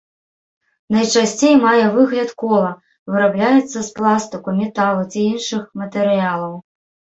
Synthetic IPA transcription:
nɐjt͡ʂasʲt͡sʲejmajɛvɨɣlʲɐt̪kɔlˠɐ | vɨɾablʲajɛt̪sːɐsplˠast̪ɨkumʲɛt̪alˠut͡sʲiinʂɨxmɐt̪ɛɾɨjalˠɐw

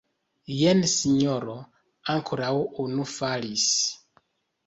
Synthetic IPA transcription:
jensiɲoɾo | aŋkʰoɾawunufalis

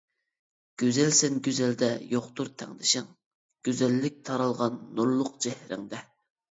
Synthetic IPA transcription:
ɡ̥ʲøzɛlsɛnɡʲøzɛld̪ɛjoχt̪uɾt̪ʰɛ̰ŋd̪ɪʃɪŋ | ɡ̥ʲøzɛlːɪk̚ʲt̪ʰɑɾɑlˠʁɑnːuɾlˠʊqd͡ʒɛhɾɪ̰ŋd̪ɛ

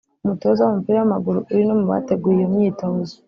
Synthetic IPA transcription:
umutozawoumupiːɾawamaɡuɾuːɾinomuβa̰te̞ɡuːɾeumɲiːtozo̥

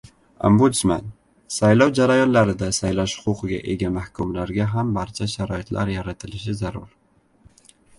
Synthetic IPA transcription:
o̰mbusma̰n | sajlɒwd͡ʒaɾajɒnlaɾɪd̪asajlaʃhʊ̥qʊqɨɡʲa̰ʔe̞ɡʲamahkʰʊmlaɾɡʲaɦambaɾt͡ʃʰaʃaɾɒɪt̪ʰlʔa̰ɾjaɾat̪ʰɪlɪʃɪzaɾʊ̰ɾ

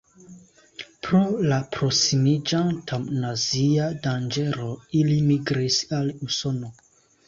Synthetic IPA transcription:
pɾolapɾosimid͡ʒantʰamnaziadand͡ʒe̞ɾo̞ilimiɡɾisaluso̞no̞

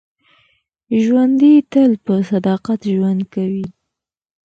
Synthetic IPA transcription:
ʒwand̪it̪əlpəsad̪ɑqat̪ʒwand̪kawi

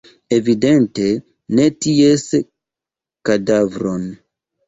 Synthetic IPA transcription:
e̞vide̞nte̞ | ne̞ties | kadavɾo̞n

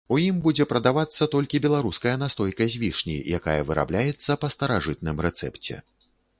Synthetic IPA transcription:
ujimbud͡zʲɛpɾɐd̪avat̪sːɐt̪ɔlʲkʲibʲɛlˠaɾuskɐjɐnast̪ɔjkɐzʲvʲiʂnʲḭjaka̰jɐvɨɾa̰blʲajɛt̪sːɐpɐst̪ɐɾaʐɨt̪̚nɨmɾɛt̪sɛ̰pt͡sʲɛ̰

